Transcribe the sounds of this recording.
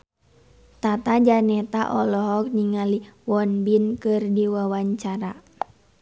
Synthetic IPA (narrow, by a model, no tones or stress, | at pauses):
t̪at̪ad͡ʒanɛt̪aʔɔlɔɦɔk̚niŋaliwɔnbinkɨrdiwawaɲt͡ʃaɾa